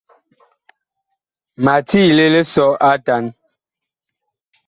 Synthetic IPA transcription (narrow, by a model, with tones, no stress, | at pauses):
ma˨tʰi˦le˦le˦sɔ˦ʔa˦ta˨˦n